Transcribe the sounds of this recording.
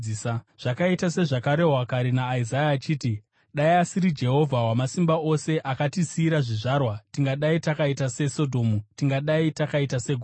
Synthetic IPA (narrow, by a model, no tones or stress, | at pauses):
sa | ʐ̥akaitase̞ʐakaɾe̞ɦwakaɾenaːizajaːt͡ʃiːti | ɗaiasiɾid͡ʒe̞ɦo̞vʱawamasimbao̞se̞ʔakatisiːɾaʐiʐaːrwatiŋɡaɗaitakaitase̞so̞dʱo̞ːmutiŋɡaɗaitakaitase̞ɡʱu